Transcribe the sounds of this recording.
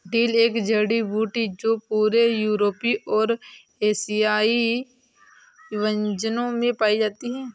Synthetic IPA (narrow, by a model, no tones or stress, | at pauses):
ɖiːleːkd͡ʒəɽibuːʈid͡ʒoːpuːɾejuːɾoːpiʔɔːɾ | eːsijaːi | ʋə̃ɲd͡ʒənõmẽpaːid͡ʒaːt̪iɦɛː